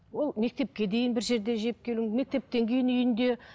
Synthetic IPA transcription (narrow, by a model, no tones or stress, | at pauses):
wo̞lˠme̞k̚t̪e̞p̚kʲe̞d̪e̞jɪnbɪɾʒe̞ɾd̪e̞ʒep̚kʲʰe̞lɪŋme̞k̚t̪e̞p̚t̪e̞ŋkʲʰe̞jɪnʏjɪnd̪e̞